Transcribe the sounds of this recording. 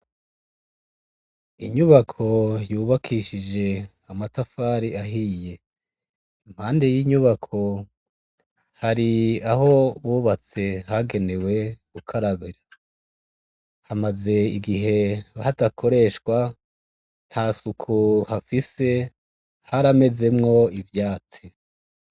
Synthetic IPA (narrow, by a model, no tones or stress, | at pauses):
iɲuβakʰo̞juːβakʰiʃid͡ʒe̞ | amatafaːɾiaɦije̞ | imhaːndejiɲuβakʰo̞ | haɾiaɦo̞βuːβat͡se̞haɡe̞ne̞we̞ɡ̥ukʰaɾaβiɾa | hamaze̞ḭɡiɦe̞hatakʰo̞ɾe̞ʃkwa | n̥hasukʰuhafise̞ | haɾame̞ze̞mŋo̞ivjaːt͡si